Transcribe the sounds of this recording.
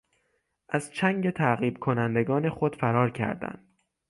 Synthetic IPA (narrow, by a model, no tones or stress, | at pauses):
ʔæz̥t͡ʃʰæŋɟe̞t̪ʰæɣiːb̥̚kʰo̞nænd̪eɡɒːne̞xod̪̥fæɾɒːɾcʰæ̰ɾd̪æ̰nd̪̥